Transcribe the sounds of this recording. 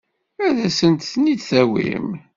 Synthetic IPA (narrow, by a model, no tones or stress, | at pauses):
æðæsənt̪θnid̪θæwḭm